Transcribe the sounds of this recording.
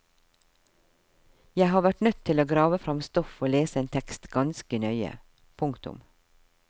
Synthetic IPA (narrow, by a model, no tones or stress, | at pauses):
jæɪhɑːʋæʈnœt̪ʰɪloːɡɾɑːʋəfɾɑmst̪ɔfoːleːsəeːnt̪ʰɛkst̪ɡɑnskənœʏə̰ | pʰʊŋkt̪ʊ̰m